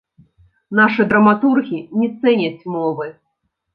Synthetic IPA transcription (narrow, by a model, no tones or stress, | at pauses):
naʂɨd̪ɾɐmat̪urɣʲinʲɛt̪sɛnʲɐt͡sʲmɔvɨ